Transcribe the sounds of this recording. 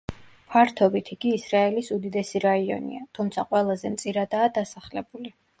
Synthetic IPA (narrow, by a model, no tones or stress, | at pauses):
pʰaɾt̪ʰɔbit̪ʰiɡ̥iːsɾaɛlisud̪id̪ɛsiɾaiɔ̰nḭat̪ʰumt̪sʰaqʼwɛlˠazɛmt̪sʼiɾad̪aːd̪asaχlɛbuli